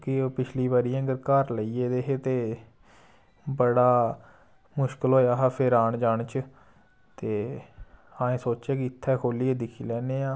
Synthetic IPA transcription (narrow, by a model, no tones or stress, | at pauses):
kɪoːpɪt͡ʃʰliːbaɾijãːɡəɾkəɾləiːeːd̪eːɦeːt̪eː | bəɽaː | mʊʃkəlɦoːeaːɦaːpʰɪɾaːɳd͡ʒaːɳt͡ʃ | t̪eː | ãːẽːsoːt͡ʃaːkiɪt̪ʰːɛːkʰoːlieːd̪ɪkʰiːlɛːneːãː